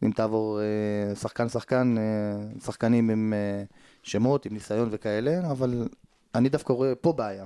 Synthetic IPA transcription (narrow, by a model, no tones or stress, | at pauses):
imt̪aːvo̞ʁesaχkansaχkanesaχkanimime | ʃemo̞t̪imnisajo̞nvekaele̞aval | anid̪afkaʁoepo̞beaja